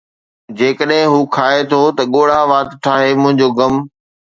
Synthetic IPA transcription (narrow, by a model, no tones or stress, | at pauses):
d͡ʑeːkəɗɦɪ̃ɦuːkʰaːet̪ʰot̪ɐɠoːɽ̤aʋaːt̪ʈʰaːɦemʊ̃ɦɪ̃ɲd͡ʑoːɡɐm